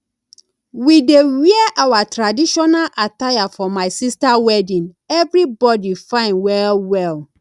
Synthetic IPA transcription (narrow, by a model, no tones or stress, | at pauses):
widewiɛʔawatɹadiʃɔnalʔatajafɔmaɪsistawɛdĩn | ɛvɹibɔdifãɪ̃nwɛlwɛl